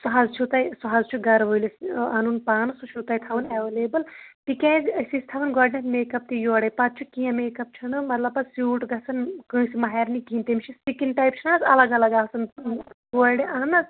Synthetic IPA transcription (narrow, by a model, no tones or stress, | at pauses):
suɦazt͡ʃʰut̪ɐjsuɦaːzt͡ʃʰuɡɐɾʋojlisɐnunpaːnɨsut͡ʃʰut̪ɐjt̪ʰɐʋɨneʋeleːbɐlt̪ikẽːzsist̪ʰɐʋɨnɡoɖnet̪meːkɐp̚t̪ijoːɽɐjpɐt̪̚t͡ʃʰukijɐ̃meːkɐp̚t͡ʃʰɐnɨmɐt̪lɐbɐsjuːʈɡɐsɐnkɨ̃ːsimɐɦeɾnikiːnt̪emt͡ʃʰistikinʈajpt͡ʃʰinansɐ̰lɐɡɐlɐɡaːsɐnɡoːɖeɐɦnɐs